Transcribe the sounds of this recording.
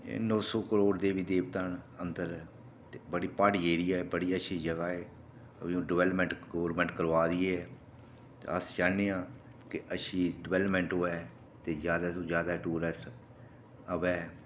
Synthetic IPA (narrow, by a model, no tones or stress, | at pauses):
nɔːsɔːkəɾoːɖd̪eːʋiːd̪eːʋt̪aːnənd̪əɾ | t̪ebəɽiːpaːɽiːeːɾijaːɛːbəɽiːəʃʰiːd͡ʒəɡaːeː | əbĩːõɖɪʋɛːlpmɛ̃ɳʈɡoːɾmɛ̃ːɳʈkəɾʋaːd̪iːeɛː | t̪ḛəsd͡ʒaːneːãː | kɪəʃʰiːɖɪʋɛːləpmɛ̃ːɳʈɦoːɛː | t̪eːd͡ʒjaːd̪aːsõːd͡ʒjaːd̪aːʈuːɾəs | əʋɛː